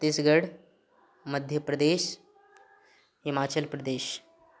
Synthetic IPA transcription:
t̪isɡəɽ | məd̪ʱjəpɾəd̪eːɕ | ɦimat͡ɕəlpɾəd̪eːɕ

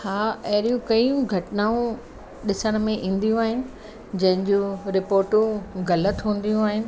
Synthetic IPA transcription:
haːɐɦɪɾijũkɐjũɡʱɐʈnaːũ | ɗɪsəɽ̃mẽʔĩːn̆d̪ijũaːɦɪnɪ̆ | d͡ʑɐ̃ɦɪ̃ɲd͡ʑũɾɪpoːɾʈũɡɐlət̪ɦũːn̆d̪ijũaːɦɪnɪ̆

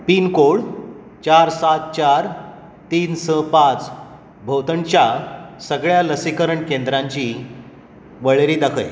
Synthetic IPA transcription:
piːnkoɭ | t͡ɕaɾsat̪̚t͡ɕaɾ | t̪iːnsə̃pãt͡s | bʱəwt̪əɳt͡ɕjasəɡɭjaləsikəɾəɳkend̪ɾaɲt͡ɕiː | ʋəɭeɾiːd̪əkʰəj

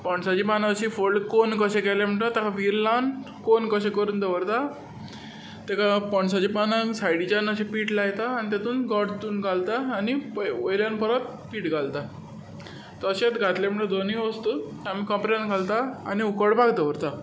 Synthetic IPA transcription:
pəɳsat͡ɕipanaəɕifoɭkonkəɕẽkɛlem̤əɳʈət̪akaʋiɾlan | konkəɕẽkəɾuːnd̪əʋəɾt̪a | t̪akapɔɳsat͡ɕipanasajɽid͡ʑanəɕepiːʈlajt̪aːnit̪at̪uːnɡɔʈd̪uːnɡʱalt̪aːnipəojljanpəɾat̪̚ | piːʈɡʱalt̪a | t̪ɔəɕat̪ɡʱat̪lem̤əɳʈəd̪ʱoniʋəst̪ot̪amiːkɔ̃mpɾeanɡʱalt̪a̰ːniukəɽbaɡt̪əʋəɾt̪a

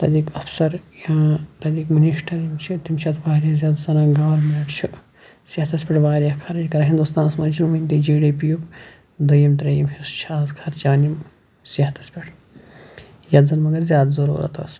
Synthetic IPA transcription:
t̪ɐd̪iːkɐpʰsɐɾjãːt̪ɐd̪ikminiʃʈɐɾimt͡ʃʰit̪imt͡ʃʰɐt̪ʰʋaːɾʲjɐzʲjaːd̪zɐnãːɡaːɾmeːʈt͡ʃʰu | siht̪ɐspʲiʈʋaːɾijɐkʰɐɾjkɐɾɐɦind̪ust̪ãːnsmɐnd͡ʒʰilumint̪id͡ʒiːɽipijup | d̪ɐjɐmt̪ɾɐjimhist͡ʃʰaːzkʰɐɾt͡ʃaːnim | sit̪ɐ̥spʲiʈʰ | jɐd̪zɐnmɐɡɐɾzʲjaːd̪zɐɾṵːɾɐ̰t̪ɐ̰s

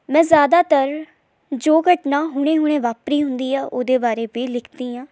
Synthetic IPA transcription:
mɛ̃ːzjaːd̪aːt̪əɾ | d͡ʒoːɡəʈnãːɦʊɽ̃ẽːɦʊɽ̃ẽːʋaːpɾiːɦʊnd̪iːaːʔoːd̪eːbaːɾeːbiːlɪkʰd̪iːãː

